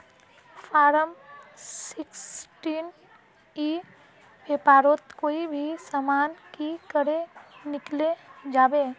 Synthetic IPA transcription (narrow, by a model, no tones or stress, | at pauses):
fʰaːɾəmsɪksʈiːn | i | ʋepaːɾoːt̪koːibʱisamaːnkikəɾenɪkled͡ʒaːbeː